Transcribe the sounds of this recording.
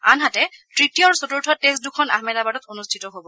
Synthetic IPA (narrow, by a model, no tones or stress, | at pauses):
a̰nɦatɛtɹitijɔɹsotuɹtʰɔtes̚dukʰɔna̰ɦmɛlabadɔtonustʰitɔɦobɔ